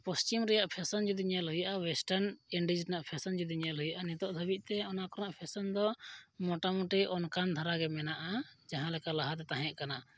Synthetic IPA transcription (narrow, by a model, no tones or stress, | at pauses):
pɔst͡ʃimɾɛjaʔpʰɛsɔnd͡ʒud̪iɲalɦujaʔawɛsʈaɾniɳɖid͡ʒnaʔpʰɛsɔnd͡ʒud̪iɲalɦujaʔanit̪ɔʔd̪ʱəbit̪̚ˀt̪ɛɔnakɔɾnaʔpʰɛsɔnd̪ɔmɔʈamuʈiʔɔnkand̪ʱaɾaɡɛmɛnaʔad͡ʒaɦãlɛkalaɦat̪ɛt̪ãɦɛ̃ʔ̪kana